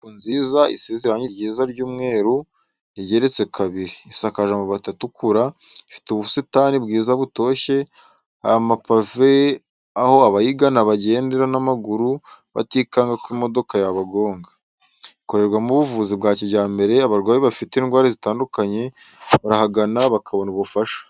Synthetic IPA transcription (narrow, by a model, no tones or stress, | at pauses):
kunziːzaisezeɾaɲiɾɟiɾzaɾɟuːmŋe̞ːɾu | iɟe̞ɾe̞t͡se̞kʰaβiɾiːsakaʒamoβatatukʰuɾa | ifi̥tuβusitaːnibɡiːzaβuto̞ːʃe̞ | a̰jamapave̞ | aho̞aβajiɡanaβaɟe̞ːndeɾanamaɡuɾuβa̰tiːkaːŋɡakwimo̞do̞kajaβaɡo̞ːŋɡa | iko̞ɾe̞ɾɡwamuβuvuːzibɡaːciβɟaːmbe̞ɾe̞aβaɾɡwaːβiβafiteːnɡwaːɾezitaːndukaɲe̞ | βaɾahaɡanaβakʰaβo̞nuβufaʃḁ